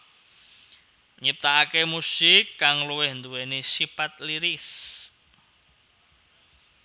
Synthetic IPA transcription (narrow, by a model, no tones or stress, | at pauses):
ɲip̚t̪aakemusɪkːaŋluwɪhnd̪uwenisipat̪̚liɾɪs